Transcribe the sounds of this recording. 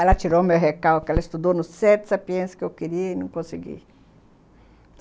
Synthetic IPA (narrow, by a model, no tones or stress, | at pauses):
ɛlɐt͡ʃiɾomewɦekawkɛlɐist̪ud̪onʊssɛɾt̪sapiẽskɪewkiɾiɐinɐ̃kõsɪɡḭ